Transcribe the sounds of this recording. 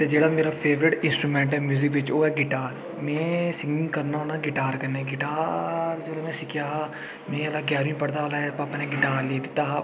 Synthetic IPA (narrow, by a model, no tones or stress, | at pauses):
t̪eːd͡ʒeːɽaːmeːɾaːpʰeːʋɾɪʈɪ̃nsʈɾuːmɛ̃ːɳʈɦɛːmjuːzɪkʋɪt͡ʃoːɦɛːɡɪʈaːɾ | mɛ̃ːsɪŋɡɪ̃ŋkəɾnaːɦoːnaːɡɪʈaːɾkəneːɡɪʈaːɾd͡ʒeːɽoːmɛ̃ːsɪkʰjaː | mɛ̃ːəlaɡɛːɾ̃ĩːpəɽd̪aːlaɛpapnẽːɡɪʈaːɾleːt̪i̥ːt̪aɦ